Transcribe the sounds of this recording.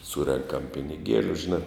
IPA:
ˈsuːrʲɛŋkɐm pʲɪnʲɪˈɡʲiɛlʲʊ ʒʲɪˈnɑː

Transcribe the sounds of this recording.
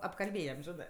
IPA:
ɐpkɐlʲˈbʲeːjɛm ˈʒʲɪnɜ

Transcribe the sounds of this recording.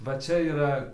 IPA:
ʋɐ ˈt͡ʃʲɛ iːˈrɐ

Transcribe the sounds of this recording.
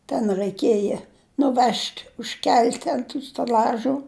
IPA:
tʲɛn rɐɪˈkʲeːjɛ nʊˈʋʲɛʃʲtʲ ʊʃʲˈkʲɛlʲtʲ ɐnt tuː sʲtʲɛˈlʲɑːʒuː

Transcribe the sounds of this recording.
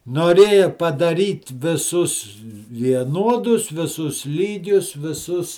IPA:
noːˈrʲeːjɛ pɐdɐˈrʲiːt ʋʲɪˈsʊs ʋʲiɛˈnuɔdʊs ʋʲɪˈsʊs ˈlʲiːɡʲʊs ʋʲɪˈsʊs

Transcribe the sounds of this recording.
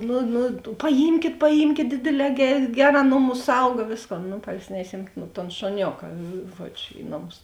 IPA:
ˈnʊ nʊ pɐˈjiːmʲkʲeːt pɐˈjiːmʲkʲeːt ˈdʲeːdʲeːˌlʲɛː ˈɡʲɛrʲ ˈɡʲæːˌrɑː ˈnoːˌmʊs ˈsɐʊɡɐ ˈʋʲeːsˌkoːn nʊ pɐrʲˈsʲɪnʲɛʃʲiɛm toːn ʃʊˈnʲoːkɐ ˈʒuɔt͡ʃʲ ˈɪ noːˌmʊs

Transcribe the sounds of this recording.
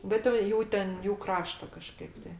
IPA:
ˈbʲɛt jɛʊ ˈjuː tʲɛn ˈjuː ˈkrɑːʃtɐ kɐˈʃkɐɪp tɐɪ

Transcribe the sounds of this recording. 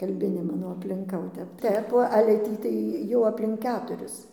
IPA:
kɐlʲˈbʲɪnʲeː ˈmɑːnoː ɐpʲlʲɪŋˈkɐ oː ˈtʲɛp ˈtʲɛp oː ɐlʲɛ ˈtʲiː tɐɪ ˈjɛʊ ɐpʲlʲɪŋk ˈkʲæːtʊrʲɪs

